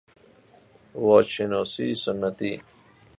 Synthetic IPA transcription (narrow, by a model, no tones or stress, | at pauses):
wot͡ɕinosiːsunːɐt̪i